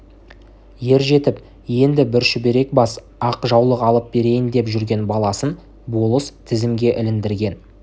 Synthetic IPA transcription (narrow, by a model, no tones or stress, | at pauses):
je̞ɾʒe̞t̪ɪp | je̞nd̪ɪbɪɾʃʏbe̞ɾe̞k̚bɑs | ɑqʒɑwlˠəqɑlˠəp̚be̞ɾe̞jɪnd̪e̞pʒʏɾɡʲe̞nbɑlˠɑsən | bo̞lˠəst̪ʰɪzɪmɡʲe̞ʔɪlɪnd̪ɪɾɡʲe̞n